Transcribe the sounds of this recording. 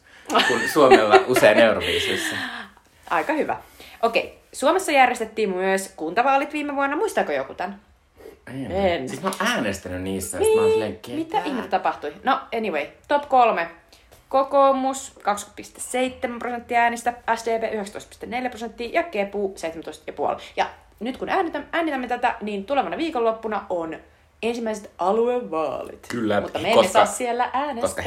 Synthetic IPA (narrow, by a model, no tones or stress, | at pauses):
kunsuomelːɑuseineuroʋḭːsisːæ | ɑ̰ikɑhyʋæ̰ʔokḛisuomesːɑjærjest̪et̪ːiːmmyøskunt̪ɑʋɑːlit̪ʋiːmeʋuonːɑmuist̪ɑkojo̰kut̪ɑn | eensit̪moʔæːnest̪ænynniːst̪ːæjonileŋkːimit̪ːæʔihmit̪ːæt̪ɑpɑht̪uinoeniʋeit̪opkolme | kokoːmuskɑkspist̪esseit̪ːemæmprosent̪ːiɑæːnist̪ææsdeːpeːʔyheksæt̪oist̪pi̥st̪eneljæprosent̪ːiːjɑkːepuːseit̪emæt̪oist̪jɑpuo̰ljɑ | nyt̪kunæːnit̪ææːnit̪æmːet̪æt̪æniːnt̪uleʋɑnɑʋiːkolːopːunɑon | ensimːæiset̪ʔɑlueʋːɑ̰ːlḭt̪kylːæmut̪ːɑmemːesɑːssielːæʔæːnekosk